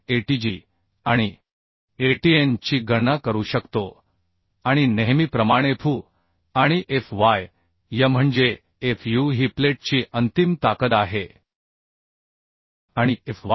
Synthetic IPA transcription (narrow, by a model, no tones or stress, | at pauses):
eʈid͡ʑi | aɽ̃i | eʈient͡ɕiːɡənakəɾuːɕəkt̪o | aɽ̃ineɦmiːpɾəmaɽ̃efʰuː | aɽ̃iʔefʋaj | jam̤əɳd͡ʑe | efjuɦipleʈ̚t͡ɕiːʔənt̪imt̪akət̪aɦe | aɽ̃ief